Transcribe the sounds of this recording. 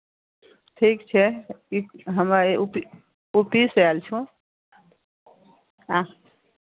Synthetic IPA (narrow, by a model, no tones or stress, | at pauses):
ʈʰikt͡ʃʰɛiɦəmeupi | upiselt͡ʃʰũ | ã